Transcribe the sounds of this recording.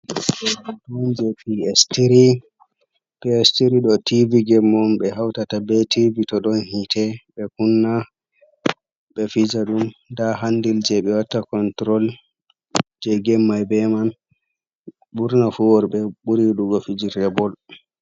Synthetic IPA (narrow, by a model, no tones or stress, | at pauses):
tɔnd͡ʒɛpiɛstiɾi | piɛstiɾiɗɔtiviɡɛmːɔmɓɛɦawtatabɛtivitɔɗɔnhitʰɛɓɛkunːa | ɓɛfid͡ʒaɗumdaɦandild͡ʒɛɓɛwatːakɔntɾɔl | d͡ʒɛɡɛmːajbɛman | ɓuɾnafuwɔɾɓɛɓuɾiɗuɡɔfid͡ʒiɾɛbɔl